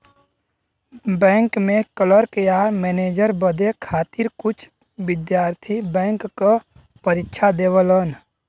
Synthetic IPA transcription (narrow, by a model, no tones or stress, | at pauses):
bɛ̃ːŋkmẽkələɾkejamɛːneːd͡ʒəɾbəd̪ekʰaːt̪ɪɾkʊt͡ʃʰ | ʋɪd̪jaːɾt̪ʰibɛ̃ːŋkːo | pəɾɪkʃʰad̪eːwələn